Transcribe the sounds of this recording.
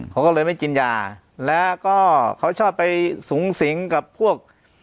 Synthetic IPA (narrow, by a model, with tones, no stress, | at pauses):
kʰa˦wkɔː˥˩lɤː˧jma˥˩jt͡ɕi˧njaː˧ | lɛː˦˥kɔː˥˩kʰa˦˥wt͡ɕʰɔː˥˩pːa˧jsuː˩˦ŋsi˩˦ŋka˨˩pʰːu˥˩ək̚